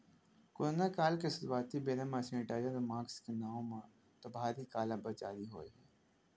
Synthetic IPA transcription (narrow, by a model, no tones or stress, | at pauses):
koɾnakaːlkesʊɾwaːt̪ibeːɾamãsẽːʈaːjaɾomãːkskenaːõmã | t̪obʱaːɾikaːlabət͡ʃaːɾiɦo̰ːeɦɛː